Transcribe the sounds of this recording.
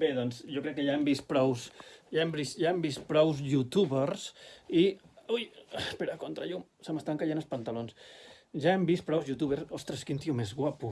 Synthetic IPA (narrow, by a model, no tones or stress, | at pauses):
beðɔnzʒɔkɾɛkːəʎaɛmbist̪pɾɔwsʒaembist̪ʒaembispɾɔwzʎut̪uβersiujspeɾakont̪ɾa̰ʎusəməst̪aŋkaʎenəlspənt̪alons | ʒaɛmbist̪̚pɾɔwzjut̪uβersost̪ɾəskent̪iumezɣwapu